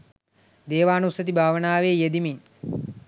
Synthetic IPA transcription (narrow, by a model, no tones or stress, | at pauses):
d̪eːʋaːnusɐt̪ibʱaːʋənaːʋeːjed̪imiɲ